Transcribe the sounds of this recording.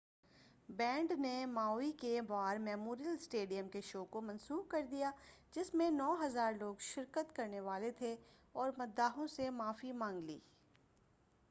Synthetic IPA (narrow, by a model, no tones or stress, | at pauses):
bɛ̃ːɳɖnemaːikebaːɾmɛːmoːɾijəlsʈeːɖijəmkeʃoːkomɐ̃nsuːb̚kɐɾd̪ijaːd͡ʒɪsmẽnɔːɦɐzaːɾloːɡʃɪɾkət̪kɐɾneʋaːlet̪ʰe | ɔːɾmɐd̪ːaːɦõsemaːfimãːŋɡlḭː